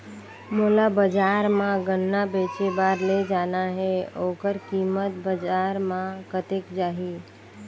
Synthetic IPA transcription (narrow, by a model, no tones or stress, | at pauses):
molabəd͡ʒaːɾmãɡənːabeːt͡ʃebaːɾled͡ʒaːnaɦɛoːkəɾkiːmət̪̚bəd͡ʒaːɾmãkət̪ekd͡ʒaːɦi